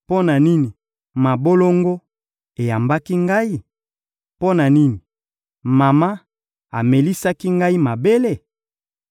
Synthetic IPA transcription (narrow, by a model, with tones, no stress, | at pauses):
po˦na˨ni˦ni˨ | ma˨bo˦lo˦ŋɡo˦ | e˨ja˨mba˦ki˦ŋɡa˦i˦˨ | po˦na˨ni˦ni˨ | ma˨ma˦ | a˨me˨li˦sa˦ki˦ŋɡa˦i˦ma˨be˦le˦˨